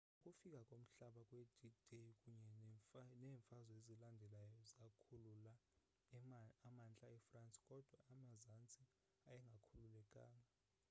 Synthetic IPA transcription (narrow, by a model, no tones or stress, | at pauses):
ukʼufik̬ʼakʼom̩ɬaɓakʼwed̥idʱekʼuɲɛnɛːɱfazɔezilandʱɛlajɔzakʰulula | amant͡ɬʼaɛfrant͡sʼi̥kʼɔd̥ʱwaːmazant͡sʼi | ajɛŋɡʱakʰululɛkʼa̰ːŋa